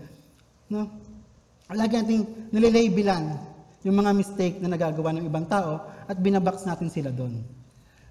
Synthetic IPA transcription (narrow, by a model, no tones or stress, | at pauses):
no | laːɡɪnaːt̪ɪŋnʊlɪlɛjbɪlanjʊŋmɐŋamɪst̪ɛjk̚nɐnɐɡaːɡɐwanɐŋɪbaŋt̪aːʔo̞ʔɐt̪̚bɪnabaksnaːt̪ɪnsɪlad̪o̞n